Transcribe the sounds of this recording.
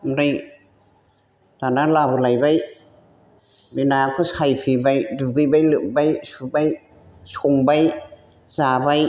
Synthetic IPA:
mɾɯj | t̪analabɯlajbaj | binakʰɯsʰajpʰibajduɡɯbajlɯʔ̚bajsubaj | sʰoŋbaj | zabaj

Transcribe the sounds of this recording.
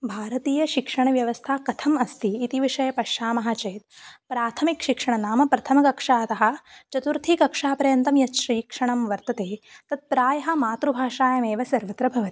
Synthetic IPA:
bʱaːɾɐt̪iːjɐʃikʂɐɳɐʋjɐʋɐst̪ʰaːkɐt̪ʰɐmɐst̪iːt̪iʋiʂɐjɐpɐʂaːmɐɦaːt͡ʃeːt̪̚pɾaːt̪ʰɐmikʃikʂɐɳɐnaːmɐpɾɐt̪ʰɐmɐkɐkʂaːɐt̪ɐɦɐ̆t͡ʃɐt̪uɾt̪ʰikɐkʂaːpɐɾɐjɐnt̪ɐmjɐtʃɾiːkʂɐɳɐmʋɐɾt̪ɐt̪eːt̪ɐt̪̚pɾaːjɐɦɐmaːt̪ɾubʱaːʂaːjɐmeːʋɐsɐɾʋɐt̪ɾɐbʱɐʋɐt̪i̥

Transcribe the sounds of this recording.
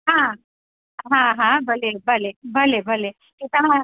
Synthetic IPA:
ɦã | ɦãɦãbʱəlebəlebʱəlebʱəle | k̪it̪ama

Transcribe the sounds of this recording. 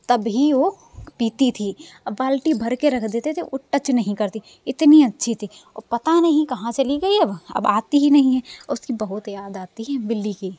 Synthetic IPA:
t̪ɐbɦiʋo | piːt̪it̪ʰiɐbːaːlʈibʱɐɾkeɾɐkʰd̪eːt̪et̪ʰeʔʊʈːət͡ʃnɐɦĩkɐɾt̪i | ɪt̪niɐtːʃʰit̪ʰiɔ̰pɐt̪anɐɦĩkɐɦãt͡ʃɐliɡɐiɐbɐ̰baːt̪iɦinɐɦĩɦɛ̃ɔʊskibɐɦʊt̪jaːd̪aːt̪iɦɛ̃bɪlːiki

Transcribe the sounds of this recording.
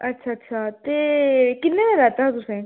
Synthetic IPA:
ətːʃʰaːətːʃʰaːt̪eːkɪnːẽːneɾɛːt̪aɦt̪ʊsẽː

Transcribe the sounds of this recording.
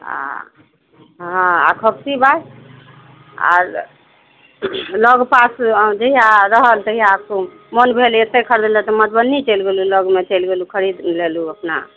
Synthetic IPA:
a̰ | ɦãa̰kʰəksibaj | a̰ɾ | ləɡpasd͡ʒeɦijaɾəɦəlt̪əɦijako | mənbʱelet̪ːekʰəɾd̪lɛt̪ɔmət̪bənːit͡ʃelɡeluləɡmet͡ʃelɡelukʰəɾid̪leluəpna̰

